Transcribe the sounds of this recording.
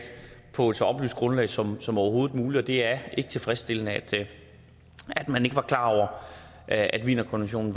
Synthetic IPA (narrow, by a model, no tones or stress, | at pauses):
pʰɒ̽e̥sɒɒ̽b̥ly̰ːsɡ̥ʁɔ̽nlɛ̰ɪsɒ̽msɒ̽mɒʊɐɦo̝ːð̩ˠmuːli̥ɒ̽d̥e̝æɐʔe̝ɡ̥ə̥t͡sʰe̝lfʁɛsd̥e̝lənəæd̥ | æd̥mæne̝ɡ̥əʋɑ̈kʰlɑ̈ːɒʊ̰ɐ | ʔʔæd̥ʋḭːnɐkʰɔnʋenɕo̝̰ːnn̩ʋ